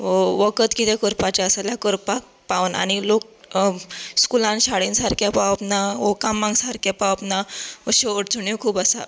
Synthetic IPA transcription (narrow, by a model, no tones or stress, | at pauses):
ʋəkət̪kit̪ẽkəɾpat͡ɕaəsalakəɾpa | paʋna̰ɽ̃ilok̚ | skulãnɕaɽinsaɾkʰjapawəpnaɔkamːãŋɡsaɾkʰjapapnaɔɕoəɽt͡suɳekʰuːpəsa̰